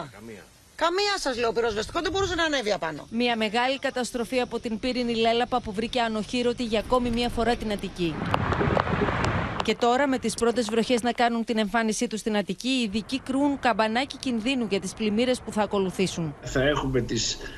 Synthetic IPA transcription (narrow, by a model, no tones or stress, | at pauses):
kɐmiɐsɐzleopiɾo̞zvest̪i̥koðebo̞ɾusenɐːne̞viɐpɐno̞̰miɐme̞ɣɐlikɐt̪ɐst̪ɾo̞fiɐpo̞t̪inpiɾinile̞lɐpɐpuvɾiceɐno̞çiɾo̞t̪iʝɐːko̞mimɲɐfo̞ɾɐt̪inɐt̪ici | ce̞t̪o̞ɾɐme̞t̪ispɾo̞t̪e̞zvɾo̞çe̞znɐkɐnunt̪ine̞ɱfɐnisit̪ust̪inɐt̪iciːðicikɾiunkɐbɐnɐcicinðinuʝɐt̪isplimiɾe̞spuθɐːko̞luθisunθɐe̞xume̞t̪is